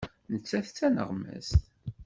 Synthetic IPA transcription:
nət͡sːæθt͡sːænə̰ʁmæ̰st̪

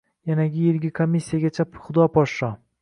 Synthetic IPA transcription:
janaɡʲɪjelɡʲɪkʰomːisʲːijaɡʲat͡ʃʰaχʊd̪ɒpʰɒʃʃɒ

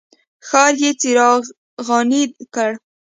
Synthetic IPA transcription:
xɑɾjet͡siɾɑ | ɣɑnid̪kəɽ

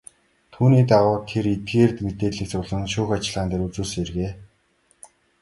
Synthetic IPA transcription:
t̪ʰuːniːt̪aʁʊːt̪ʰeɾet̪̚ɡeːrt̪met̪eːɮĭk̚t͡sʊɮə̆nʃʊːxat͡ɕɪ̆ɮʁaːnt̪eːɾut͡suːsŋerɣeː

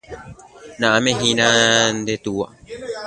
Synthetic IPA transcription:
nãamẽɦĩnãnd̪et̪uwa̰

